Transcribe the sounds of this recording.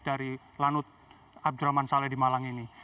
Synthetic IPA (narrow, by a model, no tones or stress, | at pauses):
daɾi | lanʊt̪̚ | ab̚duɾamansalɛhdimalaŋini